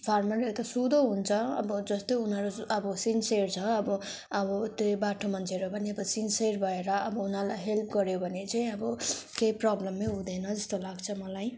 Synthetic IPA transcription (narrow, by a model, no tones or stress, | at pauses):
pʰarmʌret̪ʌsud̪oɦunt͡sʰʌʌ̰bʌd͡zʌst̪ounɦʌɾuʌbʌsinsert͡sʰʌːbʌ | ʌbʌt̪jobaʈʰomʌnt͡sʰeɾobʱʌniʌbʌsinseɾbʱʌeɾʌʌbʌunalajɦelp̚ʰɡʌɾjobʱʌnet͡saĩʌbʌkejprablʌmːeɦud̪enʌd͡zʌst̪olaɡt͡sʰʌmʌlaj